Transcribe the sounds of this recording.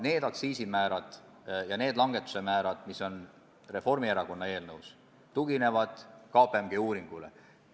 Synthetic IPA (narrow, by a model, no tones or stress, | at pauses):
ne̞ːd̪̥ɑksiːsimæːɾɑd̪̥ | jɑne̞ːd̪lɑŋɡe̞t̪ːˑu̥se̞mæːɾɑd̪̥miso̞n | re̞fo̞rmieɾɑko̞nːɑe̞ːlnɤws | t̪uɡine̞vɑd̪̥kɑːpˑemɡ̥euːɾiŋɡ̥ulḛ